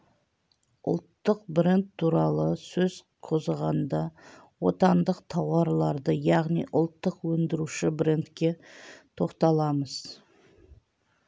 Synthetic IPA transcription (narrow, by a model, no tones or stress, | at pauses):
ʊ̰lˠt̪ːəq̚bɪɾent̪ʰːuɾɑlˠəsɵz̥ | qʰo̞zəʁɑnd̪ɑ | wo̞t̪ɑnd̪əqt̪ʰɑwɑɾlˠɑɾd̪əjɑʁnijʔʊlˠt̪ːəqwɵnd̪ɪɾuʃɪbɪɾent̪kʲe̞t̪ʰo̞qt̪ɑlˠɑməz̥